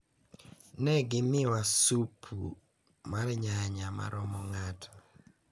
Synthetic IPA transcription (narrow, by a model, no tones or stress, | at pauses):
nɛɡɪmɪwasupʰṵ | maɾɲaɲama̰ɾɔmɔŋatʰɔ̥